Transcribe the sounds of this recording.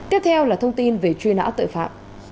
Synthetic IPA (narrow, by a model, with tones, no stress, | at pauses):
k̪e˦˥p̚t̪ʰɛ˧wlaː˨˩t̪ʰə˧wŋ͡mt̪i˧nve˨˩t͡ɕwi˧na̰ː˧˥wt̪ɨ̰˧˨fa̰ː˧˨m̚